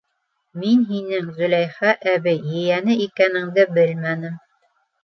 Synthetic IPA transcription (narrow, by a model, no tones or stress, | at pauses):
minɦinɘŋzɵ̆læjχæʔæβɘjːɘ̆jænɘikænɘ̆ŋd̪ɘbɘlmænɘm